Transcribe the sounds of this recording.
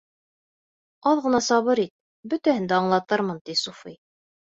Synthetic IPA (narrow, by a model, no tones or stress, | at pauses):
ɑðʁɤ̆nɑsɑβɤɾit̪̚ | bɵ̆t̪æhɘ̆nd̪æɑɴlˠɑt̪ɤɾmɤnt̪isufij